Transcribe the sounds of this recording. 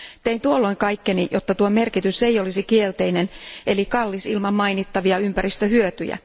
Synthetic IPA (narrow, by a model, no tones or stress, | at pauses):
t̪eint̪uolːo̞iŋkɑikːenijot̪ːɑt̪uomerkit̪ysejolisikielt̪einenʔelikɑlːisilmɑmmɑinit̪ːɑʋiɑympærist̪øhyøt̪y̰jæ̰